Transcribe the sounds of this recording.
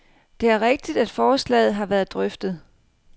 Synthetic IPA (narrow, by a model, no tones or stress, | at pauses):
d̥e̝æɐʁeɡ̥̚d̥id̥æd̥fɒːslɛ̰ːð̞̩ˠɦɑ̈ʋæːɐð̩ˠd̥ʁœfd̥ð̩ˠ